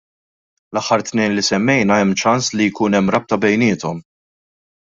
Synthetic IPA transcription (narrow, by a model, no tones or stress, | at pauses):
lɐħːɐɾt̪nɛːnlisɛmːɛjnɐɛmːt͡ʃɐnslijkuːnɛmːɾɐp̚t̪ɐbɛjnɪːt̪ɔm